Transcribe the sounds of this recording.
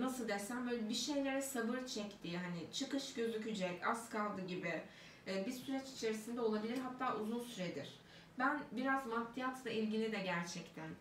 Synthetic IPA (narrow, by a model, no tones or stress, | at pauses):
nasɯlˠd̪esænbø̞ːjlʲɛbiʃe̞jlʲe̞ɾɛsabɯɾt͡ʃʰɛct̪ʰiɦanɪt͡ʃʰɯkɯʃɟø̞zycʰyd͡ʒɛcaskʰalˠd̪ɯɟibiː | bisyɾɛt͡ʃi̥t͡ʃʰe̞ɾisind̪ɛo̞lˠabilʲiɾɦat̪ʰːaːʔuzunsyɾɛd̪iɾ̥ | bænbiɾazmat̪ːijat̪ʰlˠailʲɟilʲid̪ɛɟæɾt͡ʃʰɛct̪ʰæn